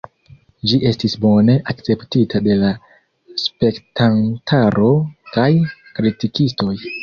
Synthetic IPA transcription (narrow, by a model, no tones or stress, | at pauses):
d͡ʒiʔe̞stisbo̞ne̞ʔakt͡se̞ptitade̞la | spe̞ktantʰaɾʔo̞kajkɾitikisto̞j